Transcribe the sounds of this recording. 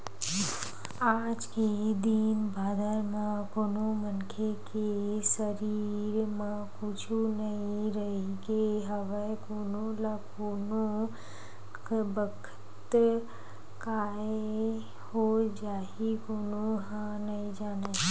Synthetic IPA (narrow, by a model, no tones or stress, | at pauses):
aːd͡ʒked̪inbʱaːd̪ʱəɾmãkoːnomənkʰekesəɾiɾmã | kʊt͡ʃʰunəĩɾəɦikeɦəʋəkoːnolakoːno | kbəkʰə̥ | t̪ | kaː | e | hod͡ʒaː | ikoːnoɦã | nɐĩd͡ʒaːna